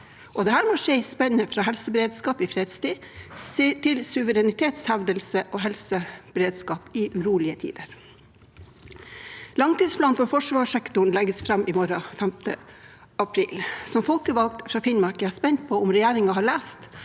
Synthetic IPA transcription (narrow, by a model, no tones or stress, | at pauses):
ʔɔd̪ɛhæːɾmoʂeɪspɛnːəfɾɑːɦɛlsəbəɾeːd̪skɑːpɪfɾeːd̪st̪iː | t̪ʰɪlsʉʋəɾɛnɪt̪ʰeːt̪shæʋd̪əlsəʔoːɦɛlsəb̥ɾeːd̪skɑːpɪʔʉɾuːlɪət̪ʰḭːd̪əɾ | lɑŋt̪iːspʰlɑːnfɔɾfɔʂʋɑːʂɛkt̪ʊɳ̩lɛɡəsfɾɑmːʔɪmɔɾɑfɛmt̪ʰə̰ | ɑpʰɾiːlsɔmfɔlkəʋɑlk̚t̪fɾɑːfɪnmɑɾkəæɑspɛnt̪̚pʰɔʊmɾɛjæːɾɪŋɑɦɑːɭæːst̪